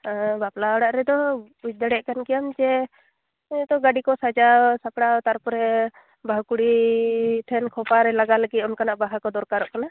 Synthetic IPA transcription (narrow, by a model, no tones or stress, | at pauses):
əbaplaɔɽaʔɾɛd̪ɔ | ut͡ʃ̚d̪aɽɛʔkankijamd͡ʒɛ | t̪ɔɡaɖikɔsad͡ʒasakɽat̪aɾpɔɾɛ | baɦkuɽi | ʈʰɛnkʰɔpaɾɛlaɡaləɡit̪ɔnkanaʔbaɦakɔd̪ɔɾkaɾɔʔkana